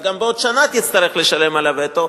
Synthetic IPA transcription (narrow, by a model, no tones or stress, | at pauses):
ɡambeo̞d̪ʃanat̪jit͡st̪aʁeχle̞ʃale̞malavet̪o